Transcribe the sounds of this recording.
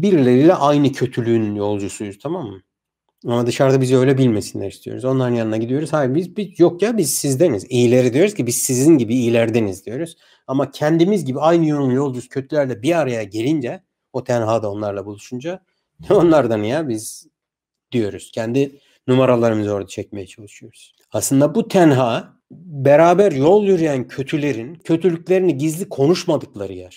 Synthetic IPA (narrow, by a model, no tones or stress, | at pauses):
biɾlʲe̞ɾilʲɛʔajnɯcʰø̞t̪ʰylʲynjo̞lˠd͡ʒusujuz̥t̪ʰamamːɯ | amad̪ɯʃaɾd̪abizø̞jlʲɛbilʲme̞sinlʲæɾist̪ʰijo̞̰ɾuzo̞nlˠaɾɯnjanɯnaɟid̪ijo̞ɾuz̥hajbizbijokjabizsizd̪e̞nizijilʲe̞ɾid̪ijo̞ɾuz̥cʰibiz̥sizinɟibiːlʲæɾd̪e̞nizd̪ijo̞ɾuz̥ | amacʰɛnd̪imizɟibiajnɯjoɾumjo̞lˠd͡ʒusu̥cʰø̞t̪ʰylʲæɾlʲɛbiaɾajaɟe̞lʲind͡ʒɛ | ot̪ʰænɦaːd̪ao̞nlˠaɾlˠabulˠuʃund͡ʒa | o̞nlˠaɾd̪anijabiz̥ | d̪̥ijo̞ɾuz̥cʰɛnd̪i | numaɾalˠaɾɯmɯzo̞ɾd̪at͡ʃʰɛc̚me̞jɛt͡ʃʰalˠɯʃɯjo̞ɾuz̥ | aslˠɯnd̪abut̪ʰɛnɦaː | beɾaːbæɾjo̞lˠjyɾyjæncʰø̞t̪ʰylʲe̞ɾincʰø̞t̪ʰylʲycʲlʲe̞ɾiniɟizlʲikʰo̞nuʃmad̪ɯklˠaɾɯjaɾ̥